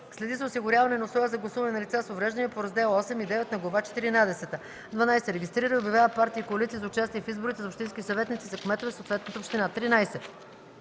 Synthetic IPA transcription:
slɛd̪izɐʊsiɡʊɾʲavɐnɛnɐsˠɔjəzɐɡlˠɐsuvɐnɛnɐlit̪sasovɾɛʒd̪əniɛpoɾɐzd̪ɛlˠɔsɛmid̪ɛvɛt̪nɐɡlˠɐvat͡ʃɛ̥t̪iɾinad̪ɛsɛt̪ə | d̪vɐnajsɛɾɛɡʲist̪ɾiɾəiʊbʲjɐvʲjavəpaɾt̪iːkoɐlit̪sizɐʊt͡ʃast̪iɛfizbʊɾit̪ɛzopʃt̪inskʲisɐvɛt̪nit̪izɐkmɛt̪ovɛsoːt̪vɛt̪nət̪əopʃt̪inat̪ɾinajsɛ

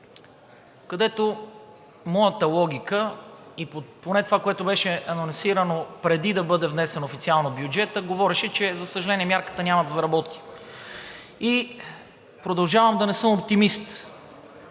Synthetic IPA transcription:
kɐd̪ɛt̪o | mɔjət̪əlˠɔɡ̟ʲikəipoponɛt̪ovakoɛt̪obɛʃɛɐnonsiɾənopɾɛd̪id̪ɐbɤd̪ɛvnɛsɛnoofit̪sialˠnobjud͡ʒɛt̪əɡovɔɾɛʃɛt͡ʃɛzɐsəʒɐlɛniɛmjaɾkə̥t̪ənʲamɐd̪ɐzɐɾɐbɔt̪i̥ | i | pɾod̪ɐlˠʒavəmd̪ɐnɛsɤmop̚t̪imist̪

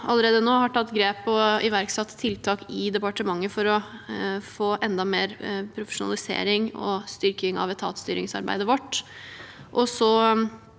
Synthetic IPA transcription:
ɑlːəɾeːd̪ənoːhɑʈʰɑt̪ːɡɾeːpɔɪʋæɾksɛt̪ʰːɪlt̪ʰɑːkɪd̪ɛpɑʈəmɑŋːəfɔɾɔ | foːʔɛnd̪ɑmeːɾpʰɾʊfə̥ʂʊnɑ̰lɪsḛːɾɪŋɔ̰st̪ʏɾkɪŋɑ̰ʋɛt̪ʰɑ̰ːt̪st̪yːɾɪŋsɑ̰ɾbæ̰ɪd̪əʋɔʈː | ʔɔsɔ

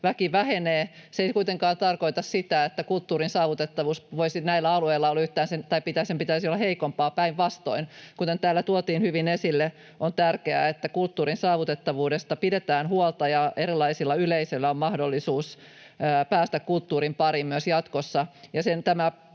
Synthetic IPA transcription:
ʋækiʋæheneːseikuit̪eŋkɑːnt̪ɑrko̞it̪ɑssit̪æet̪ːækult̪ːuːrinsɑːʋut̪et̪ːɑʋuːsʋoisinæilːæɑlueilːɑolːyht̪æːnsent̪ɑipit̪æsempit̪æysiolːɑheikompɑːpæiʋʋɑst̪o̰inkut̪ent̪æːlːæt̪uot̪iːnhyʋinesilːe | ʔont̪ærkeæ̰et̪ːækult̪ːuːɾinsɑːʋut̪et̪ːɑʋuːdest̪ɑpidet̪æːnhuolt̪ɑjɑʔeɾilˑːɑisilːɑyleiselːæommɑhdolːisuːsː | pæːst̪ækkult̪ːuːɾimpɑɾimmyøsjɑt̪kosːɑjɑsent̪æmæ

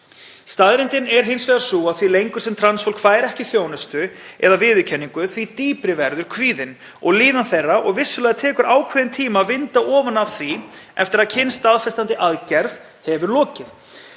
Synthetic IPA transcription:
st̪aðɾɪnt̪ɪnɛɾɦɪnsvɛːðaɾ̥suːaðθvilejŋkʏ̥sɛmt̪ʰɾansfowl̥kʰvaːjɾɛhcɪθjoːwnʏst̪ʏɛ̰ðavɪːðʏcʰɛnːiŋkʏθvit̪iːpɾɪvɛɾðʏɾ̥kʰviːðɪn | ɔɣliːðanθerːaʔɔɣvɪsːʏlɛːɣðat̪ʰɛːkʏɾaːwkʰvɛːðɪnt̪ʰiːmavɪnt̪aʔɔːvanav̥θviɛft̪ɪɾaðcʰɪnst̪aðfɛst̪ant̪ɪʔaðcɛɾð | hɛvʏɾlɔːcɪɾ

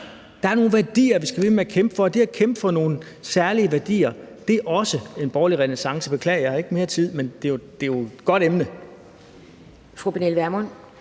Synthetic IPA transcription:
d̥ɑ̈æɐno̝ːn̩ʋæɐd̥ḭːɐʋisɡ̥æʋe̝meækʰemb̥əfɒ̽d̥eækʰemb̥əfɒ̽no̝ːn̩ | sæɐliəʋæɐd̥ḭːɐ | d̥e̝æʔɒ̽səe̝nb̥ɒːliʁɛnesɑ̈ŋsəb̥e̝kʰlɛ̰ːɪjɑ̈hɑ̈e̝ɡ̥əme̝ːɐt͡sʰið̰ˠmend̥e̝jod̥e̝jo̥ɡ̥ɒ̽ɾ̥emnə | fʁob̥enelʋæɐmɔn

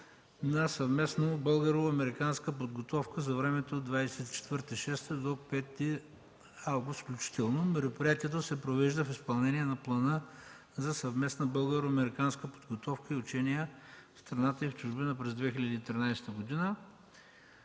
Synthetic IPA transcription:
nɐsɐvmɛsnobɤlˠɡɐɾoɐmɛɾikanskəpod̪ɡot̪ɔfkəzɐvɾɛmɛt̪od̪vajsɛt̪i̥t͡ʃɛ̥t̪vəɾt̪ɛʃɛst̪ɛd̪okpɛt̪ːi | avɡʊst̪fklʲut͡ʃi̥t̪ɛlˠnomɛɾopɾijat̪iɛt̪̬osɛpɾovɛʒd̪əfispɐlˠnɛniɛnɐplˠɐnə | zɐsɐvmɛsnɐbɤlˠɡəɾoɐmɛɾikanskəpo̥d̪ɡot̪ɔfkəiʊt͡ʃɛnijəfst̪ɾɐnat̪əift͡ʃʊʒbinəpɾɛzd̪vɛxilʲəd̪iːt̪ɾinajst̪əɡod̪inə

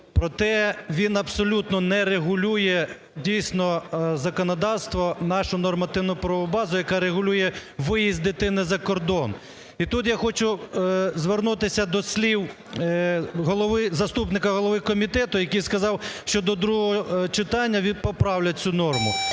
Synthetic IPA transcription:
pɾɔt̪ɛʋʲinɐbsɔlʲut̪nɔnɛɾeɦʊlʲujɛ | dʲijsʲnɔzɐkɔnɔd̪ɑwst̪ʋɔnɑʃʊnɔrmɐt̪ɪwnʊpɾɔɔbɑzʊjɐkɑɾeɣʊlʲujɛʋɪjizʲd̪ɪt̪ɪnɪzɐkɔrd̪ɔn | it̪ut̪jaxɔt͡ʃʊzʋernut̪ɪsʲɐd̪ɔsʲlʲiw | ɦɔlˠɔʋɪzɐst̪upnɪkɐɦɔlˠɔʋɪkɔmʲit̪ɛt̪ʊjɐkijskɐzɑwʃt͡ʃɔd̪ɔd̪ɾuɦɔɦɔt͡ʃɪt̪ɑnʲːɐʋʲinpɔpɾɑwlʲɐt͡sʲunɔrmʊ

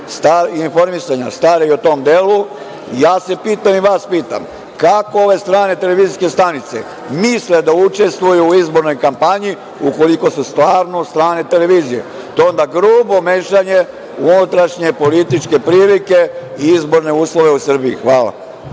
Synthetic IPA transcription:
st̪aɾinfo̞ɾmisaɲa̰st̪aːɾeiot̪o̞md̪eːlu | jaːse̞piːt̪amiʋaːspiːt̪a̰m | kako̞o̞ʋe̞st̪ɾaːne̞t̪e̞le̞ʋiziske̞st̪anit̪se̞̰ | misled̪aut͡ʃe̞st̪ʋujuːizbo̞ɾno̞jkampaɲi | uko̞liko̞sust̪ʋaːɾnost̪ɾaːne̞t̪e̞le̞ʋiːzije̞̰ | t̪oond̪aɡɾuːbo̞meːʃaɲe̞ | unut̪ɾaʃɲe̞po̞lit̪it͡ʃke̞pɾiːlikeiizbo̞ɾne̞uːslˠo̞ʋe̞usr̩biḭxʋaːla̰

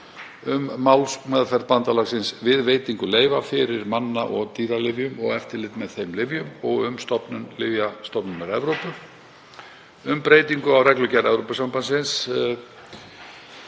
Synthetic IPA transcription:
ʏmːawlsmɛðfɛɾt̪pant̪alaɣsɪnsvɪðveːjt̪iŋkʏleːjvafɪɾɪɾmanːaʔɔɣt̪iːɾalɪvjʏmɔɣɛft̪ɪɾlɪt̪mɛðθejmlɪvjʏmɔɣʏmst̪ɔpnʏnlɪvjast̪ɔpnʏnaɾɛvɾowpʏ | ʏmpɾeːjt̪iŋkʏawrɛklʏcaɾɛvɾowpʏsampansɪns

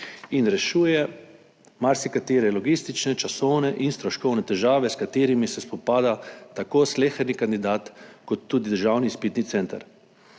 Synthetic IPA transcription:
inɾɛʃuːjɛ | maɾsikat̪eːɾɛlɔɡist̪it͡ʃnɛt͡ʃasɔwnɛʔinst̪ɾɔʃkɔwnɛt̪ɛʒaːʋɛskat̪eːɾimisɛspɔpaːd̪at̪akoːsleːxɛɾnikand̪id̪aːt̪kɔt̪ːuːd̪id̪əɾʒawnispit̪nit̪sɛnt̪a̰ɾ

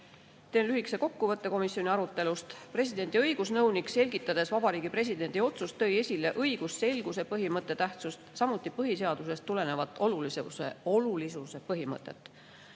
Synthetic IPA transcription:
t̪eːnlyhikseko̞kːuvɤt̪ːe̞ko̞misːjo̞nʲiɑɾut̪ːˑe̞lust̪pre̞sid̪̥e̞nʲd̪iɤiɡ̥usnɤwnikse̞lʲɡit̪ːˑɑd̪̥e̞svɑbɑɾiːɡ̥ipre̞s̬ʲid̪̥e̞nd̪io̞t̪sust̪ːɤje̞sʲile̞ʔɤjɡ̥usse̞lɡ̥use̞pɤɦimɤt̪ːˑe̞t̪æht̪sust̪sɑmut̪ːˑipɤɦise̞ɑd̪̥use̞st̪ːule̞ne̞vɑt̪ːˑo̞lulisese̞̰o̞lulisuse̞pɤɦimɤ̰t̪ːˑe̞̰t̪ːˑ

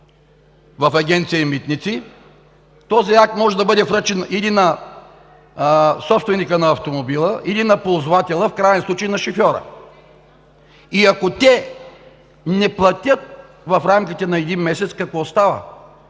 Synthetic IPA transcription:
vɐfɐɡʲɛnt̪sijəimit̪nit̪si | t̪ɔziakmɔʒɛd̪ɐbɤd̪ɛfɾət͡ʃɛnilinɐ | sɔpst̪vɛnikənɐːft̪omobilˠəʔilinɐpolˠzʊvat̪ɛlˠəfkɾajɛnslˠut͡ʃəjnɐʃofʲjɔɾə̰ | iɐkot̪ɛ | nɛplˠɐt̪ʲət̪̚ | vɐfɾamkʲit̪ɛnɐɛd̪inmɛsɛt̪skɐkvɔst̪avə̰

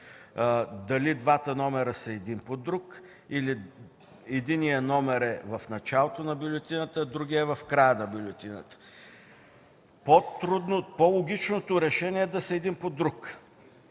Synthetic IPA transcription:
d̪ɐlid̪vat̪ənɔmɛɾəsɐɛd̪inpod̪ɾuk | ili | ɛd̪inijənɔmɛɾɛvɐfnɐt͡ʃalˠot̪onɐbʲʊlʲɛt̪inət̪əd̪ɾuɡʲiɛvɐfkɾajənɐbʲjulʲɛt̪inə̰t̪ə̥ | pot̪ɾud̪nopolˠoɡʲit͡ʃnot̪oɾɛʃɛnʲiɛɛd̪ɐsɐɛd̪impod̪ɾuk

